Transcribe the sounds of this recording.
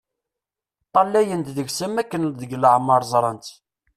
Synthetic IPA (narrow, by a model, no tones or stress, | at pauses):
t̪ˤːɑlːæjənt̪ðəɡsəmːækːənðəɡləʕmɑɾˤzˤɾˤɑnt̪